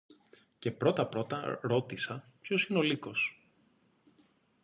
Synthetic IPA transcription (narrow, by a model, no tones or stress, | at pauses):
ce̞pɾo̞t̪ɐpɾo̞t̪ɐɾo̞t̪isɐpçosino̞liko̞s